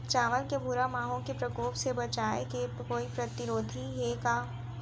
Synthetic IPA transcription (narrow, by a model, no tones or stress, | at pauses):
t͡ʃaːʋəlkebʱuɾamaːɦõkepɾɐkoːpsebɐt͡ʃaːeke | koːipɾɐt̪ɪɾoːd̪ʱiɦeka